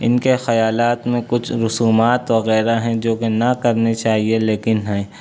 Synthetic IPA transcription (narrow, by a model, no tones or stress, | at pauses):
ɪnkexɐjaːlaːt̪mẽkʊt͡ʃʰɾʊsuːmaːt̪ʋɐɣɛːɾaɦɛ̃d͡ʒoːkenɐkɐɾnet͡ʃaːɦieleːkɪnɦɛ